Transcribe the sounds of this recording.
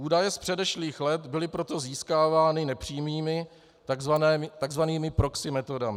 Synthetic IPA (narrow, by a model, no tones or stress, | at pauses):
ʔuːdajɛspr̥ɛdɛʃliːxlɛt̪bɪlɪpɾo̞t̪o̞ziːskaːvaːnɪnɛpr̥iːmiːmɪ | t̪aɡzvanɛːmɪt̪aɡzvaniːmɪpɾo̞ksɪmɛt̪o̞damɪ